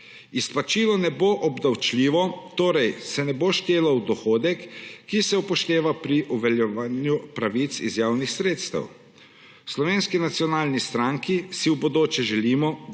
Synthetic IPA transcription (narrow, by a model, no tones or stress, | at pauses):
ispat͡ʃiːlɔnɛboʔɔbd̪awt͡ʃlʲiːʋɔt̪oːɾɛjsɛnɛboʃt̪eːlawd̪ɔxoːd̪ɛkːisɛupɔʃt̪eːʋapɾiʔɔʋɛljɛʋaːnjupɾaʋit̪sḭzjaːwnixsɾeːt̪st̪ɐ̰w | slɔʋeːnskinat̪sijɔnaːlnist̪ɾaŋkisiwbod̪oːt͡ʃɛʒɛliːmɔ